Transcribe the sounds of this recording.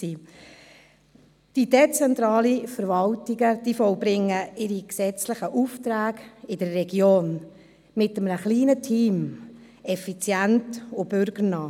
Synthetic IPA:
iː | d̥id̥et͡sɛntɾɑːlifəɾvɑltɪɡəd̥iːfɔlbɾɪŋːəɪɾiksɛt͡slɪχəʔuftɾæːɡɪdərːɛɡjoːn | mɪtəmnəχliːnətʰiːm | ɛfit͡sjæntʊb̥ʏɾɡ̥əɾnɑː

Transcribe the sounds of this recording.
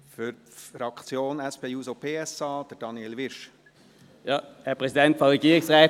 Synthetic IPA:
fʏɾ | fɾɑkt͡sjoːnɛspʰeːjuːsopʰeːɛsɑːd̥̪əd̥ɑniɛlʋɪʃ | jɑːhæpʁɛsɪd̪ɛnt̪fɔʁɛɡiːʁɪŋsʁɛː

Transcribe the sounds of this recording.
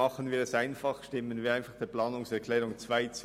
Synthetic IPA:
ɑχənviːɐɛsaɪnfɑχʃtɪmənviːaɪnfɑχd̥eːɐplɑːnʊŋsɛɐʁkʰlɛːʁʊŋt͡svaɪt͡s

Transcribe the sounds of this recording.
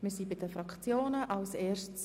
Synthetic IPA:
mɪːsibɪdəfɾɑkt͡sjoːnəʔɑlseːɾʃts

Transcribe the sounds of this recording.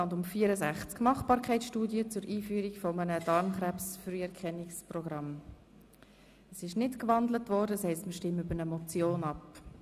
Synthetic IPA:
ɑndʊmfiːəɾəzæχt͡skmɑχb̥ɑːɾkʰɛɪt͡ssʃtuːdiət͡sʊɾʔiːfyːɾikfɔmənəd̥ɑɾmχrɛpsfryːɛɾkʰχɛnːɪksprɔɡɾɑm | əsɪʃnɪtkʋɑndlətvɔːɾdəshɛɪstməʃtɪmʏbənəmɔt͡sjoːnɑp

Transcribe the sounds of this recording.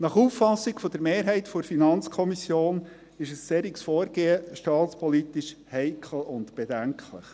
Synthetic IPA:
nɑχuːfːɑsːiɡfɔd̥̪əɾmeːɾɦɛɪt̪foɾfinɑnt͡skʰɔmisjoːn | ɪʃəssɛɾiksfɔːɾɡ̥eːəʃtɑːt̪t͡spʰɔlit̪iʃhɛɪkʰl̩ʊnt̪b̥edæŋkʰlə̰χ

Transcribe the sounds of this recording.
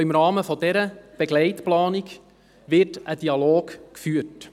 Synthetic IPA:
ɪmɾɑːməfɔd̥ɛɾəb̥ɛɡlɛɪtplɑːnik | ʋɪtəd̥iɑloːɡkfyət

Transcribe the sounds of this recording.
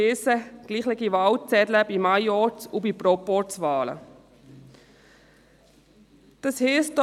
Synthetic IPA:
ɪːsəɡ̥liːχlɛɡiʋɑwt͡sɛdləbimajɔt͡subipɾɔpɔɹt͡sʋɑːlə̰ | d̥ɑshiːst

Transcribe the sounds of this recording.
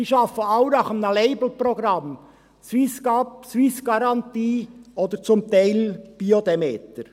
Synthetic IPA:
siːʃɑfəɑʊnɑχəmnəleɪbl̩pɾɔɡɾɑm | t͡siskɑpsʋisɡ̥ɑɾɑnt̪iːʔod̪əɾt͡sʊmt̪æɪlb̥iod̪emeːt̪əɾ

